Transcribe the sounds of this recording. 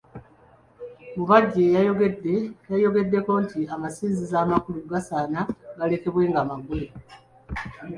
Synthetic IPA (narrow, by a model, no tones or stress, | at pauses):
muβaɟːe̞j | jajo̞ɡe̞dːe̞ko̞ntiamasiːzizaːmakuluɡasaːnaɡale̞ke̞βwe̞ːŋɡaːmaɡule